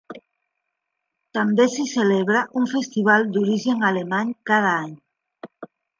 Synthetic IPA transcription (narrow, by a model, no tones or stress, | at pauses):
t̪ambesiseleβɾaʔuɱfest̪iβ̞ald̪uɾiʒeŋalemaɲkað̞aaɲ